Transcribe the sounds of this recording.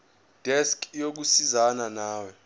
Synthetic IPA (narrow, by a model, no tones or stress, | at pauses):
d̥ʱɛskʰʼjok̬usizananaːwɔ